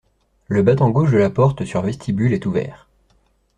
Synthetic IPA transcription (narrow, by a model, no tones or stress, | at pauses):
ləbat̪ɔ̃ɡoʃd̪əlapɔʁt̪syʁvɛst̪ʰibylɛt̪uvɛ̰ːʁ